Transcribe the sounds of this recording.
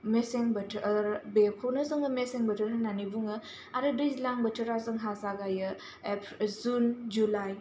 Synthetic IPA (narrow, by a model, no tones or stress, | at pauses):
meseŋbɐtʰɾbekʰownɐzɯŋɯmeseŋbɐtʰɯɾananibuŋɯ | aɾɯdɯjzlaŋbɐtʰɯɾazɯŋɦasaɡajɯ | epzund͡ʒulaj